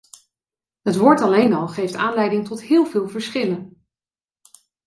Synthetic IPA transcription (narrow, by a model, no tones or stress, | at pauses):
ɦətʋʊːɹtɑlejnɑlˠχejftaːnlɛjdɪŋtɔtɦɪːlˠvɪːlˠvəɹsχɪlən